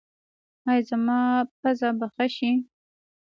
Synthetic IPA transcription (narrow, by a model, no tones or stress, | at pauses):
ajzamɑpazabaxaʃi